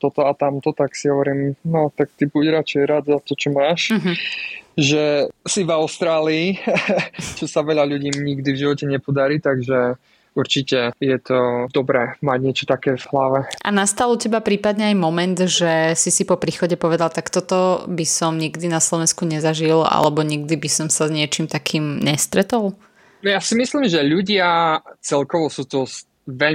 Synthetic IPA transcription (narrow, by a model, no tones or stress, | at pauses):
t̪ɔt̪ɔat̪amt̪ɔt̪aksiɦɔʋɔɾiːmnɔt̪ak̚t̪ibuɟɾat͡ʃɛɛjɾad̪zat̪ɔt͡ʃɔmaːʃɦ̩ | ʒɛsivaʊst̪ɾaːliː | t͡ʃɔsaʋɛʎaʎuɟiːɲiɡd̪ivʒiʋɔcɛɲɛpɔd̪aɾiːt̪aɡʒɛ | uɾt͡ʃicɛjɛt̪ɔd̪ɔbɾɛːmaɟɲɛt͡ʃɔt̪akɛːvɦlaʋɛʔa̰nast̪alucɛbapɾiːpad̪ɲɛajmɔmɛnd̪ʒɛsisipɔpɾiːxɔɟɛpɔʋɛd̪alt̪akt̪ɔt̪ɔbisɔmɲiɡd̪inaslɔʋɛnskuɲɛzaʒila̰lɛbɔɲiɡd̪ibisɔmsazɲɪɛt͡ʃimt̪akʰiːmɲɛst̪ɾɛt̪ɔl | jasimisliːmʒɛʎuɟɪat͡sɛlkɔʋɔsuːt̪ɔs | ʋɛʎ